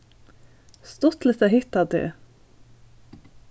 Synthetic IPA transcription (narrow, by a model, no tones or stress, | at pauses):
st̪ɔt̪lət̪æɦʏt̪ɑt̪ɪ̰